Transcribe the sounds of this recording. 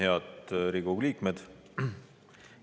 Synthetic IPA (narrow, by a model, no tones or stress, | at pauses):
heɑd̪ɾiɡuɡliːkmed̪̥